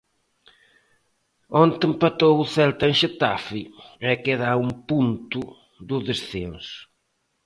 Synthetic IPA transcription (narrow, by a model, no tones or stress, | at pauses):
ont̪empat̪owuθɛlt̪aẽnʃet̪afiɛkeðaumpunt̪ʊ | ðʊðesθẽnsʊ̥